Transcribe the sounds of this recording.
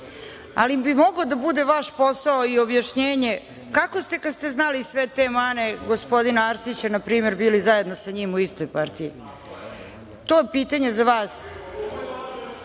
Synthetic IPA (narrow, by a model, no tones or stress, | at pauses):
a̰limbimo̞ɡlod̪abud̪e̞ʋaʃpo̞saoiobjaʃɲeːɲe | kakost̪e̞kad̪st̪eznalisʋet̪emane̞ɡo̞spo̞d̪inaaɾsit͡ɕanapɾiːmeɾbiːlizaje̞d̪nosaɲimuist̪ojpaɾt̪iḭ | t̪o̞jepiːt̪aɲe̞zaʋaːs